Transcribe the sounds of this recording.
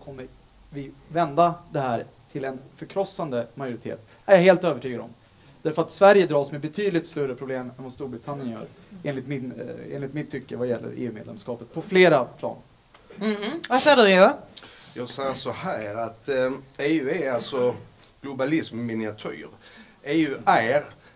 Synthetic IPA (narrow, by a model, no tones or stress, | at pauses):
kʰɔmːəɾ | vɪvɛnd̪ad̪ɛɦæːɾt̪ʰɪlɛnfœɾkʰɾɔsːand̪əmajʊɾɪt̪ʰḛːt̪ | æɾjaɦeːlt̪øːvəʈʰyːɡad̪ɔ̰m | d̪̥æɾfœɾat̪svæɾjəd̪ɾɑːsmɛbɛt̪ʰyːd̪lɪt̪st̪ɵɾəpʰɾʊbleːmɛnvast̪uːɾbɾɪt̪ʰanːjənjœ̰ːɾ | eːnlɪt̪mɪnḛːnlɪt̪mɪt̪ʰːʏkːəɾvajɛlːə̰ɾḛːʉ̟ːmḛːd̪ɛ̰mskɑːpət̪̚pʰɔfleːɾapʰlɑ̰ːn | vahæʂɑːd̪eʉjɑːsɛjsɔhæːɾat̪eːʉ̟æalsɔɡ̥lʊbalɪsmːɪnɪat̪ʰœ̰ːɾ | eːʉæɾ